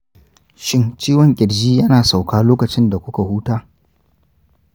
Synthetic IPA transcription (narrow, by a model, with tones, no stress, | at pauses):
ʃɪ˦nt͡ʃiː˦wɔ˨ŋkʲʼɪ˨ɽd͡ʒiː˦jɐ˦naː˨sa˨wkaː˦loː˦kɐ˨t͡ʃɪ˦nda˨kʷʊ˦ka˨huː˦taː˦